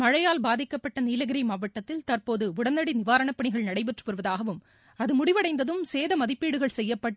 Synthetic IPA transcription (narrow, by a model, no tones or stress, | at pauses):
mɐɻɐjaːlbaːðɪkːɐpːɐʈːɐniːlɐɣɪɾɐɪmaːʋɐʈːɐt̪ːɪlt̪ɐrpoːðɯʊɽɐnːɐɽinɪʋaːɾɐɳɐpːɐɳɪɣɐɭnɐɽɐɪpɛʈrɯpɔɾɯʋɐðaːɣɐʋɯm | ɐðɯmʊɽɪʋɐɽɐɪnd̪ɐðɯmseːðɐmɐðɪpːiːɽɯɣɐɭsɛjːɐpːɐʈː